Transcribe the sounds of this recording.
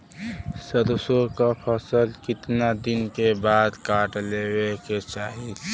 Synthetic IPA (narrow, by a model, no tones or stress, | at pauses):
səɾsõkapʰəsəlkɪt̪nad̪ɪnkebaːd̪kaːʈleweket͡ʃaːɦi